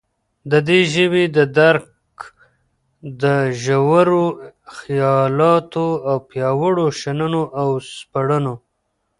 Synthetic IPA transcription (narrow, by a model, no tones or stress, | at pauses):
d̪əd̪eʒəwed̪əd̪aɾk | d̪əʒawaɾoxijɑlɑt̪oawpjɑwəɽoʃanənoʔawspaɽəno